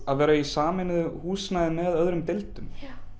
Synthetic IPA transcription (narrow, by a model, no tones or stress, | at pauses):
aðvɛːɾaisaːmɪnɪðʏhuːsnajðɪmɛðœðɾʏmt̪elt̪ʏm